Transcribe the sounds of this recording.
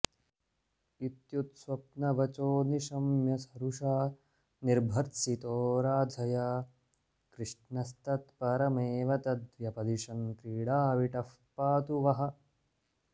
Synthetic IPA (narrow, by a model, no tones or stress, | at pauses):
it̪jut̪swɐp̚nɐʋɐt͡ʃoːniʃɐmjɐsɐɾuʂaː | niɾbʱɐɾt̪sit̪oːɾaːd̪ʱɐjaː | kɾɪʂnɐst̪ɐt̪pɐɾɐmeːʋɐt̪ɐd̪ʋjɐpɐd̪iʂɐnk̪ɾiːɽaːʋiʈɐf | paːt̪uʋɐɦɐ̆